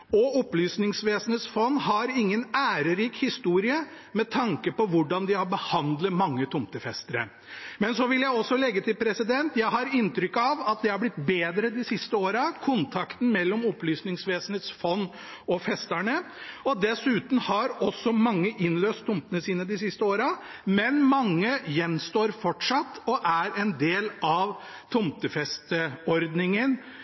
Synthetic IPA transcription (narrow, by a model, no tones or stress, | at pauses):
ɔɔplyːsnɪŋsʋeːsn̩eːt̪sfɔnːɦɑɾɪŋːənæːɾəɾiːkhɪst̪uːɾɪə | mɛt̪ʰɑŋkəpɔʋʊɖɑnd̪ɪhɑɾbəhɑnd̪lət̪mɑŋːət̪ʰʊmt̪əfɛst̪əɾə̰ | mɛnsɔʋɪljæɪɔsːɔlɛɡːət̪ɪlpʰɾɛsɪd̪ɛnt̪jæɪɦɑɾɪnt̪ɾʏkːɑʋɑt̪̚d̪ɛhɑɾblɪt̪beːd̪ɾəd̪ɪsɪst̪əoːɾɑkʰʊnt̪ʰɑkt̪n̩mɛlːɔmɔplyːsnɪŋsʋeːsən̩heːt̪sfɔnː | ɔfɛst̪æɳə | ɔd̪ɛsʉːt̪n̩hɑɾɔsːɔmɑŋːəʔɪnløːst̪ʰːʊmpənəsiːnəd̪ɪsɪst̪əoːɾɑmɛnmɑŋːəjɛnst̪oːɾfɔʈʂɑt̪ːɔʔæɾɛnd̪eːlɑʋ | t̪ʰʊmt̪əfɛst̪əɔɾd̪nɪŋən